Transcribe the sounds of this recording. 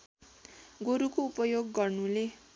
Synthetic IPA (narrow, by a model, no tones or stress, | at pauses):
ɡoɾukoupʌjoɡːʌrnule